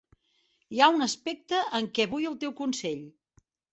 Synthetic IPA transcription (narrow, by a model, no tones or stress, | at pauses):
iaunəspɛk̚t̪əʔəŋkɛβujəlˠt̪ewkunseʎ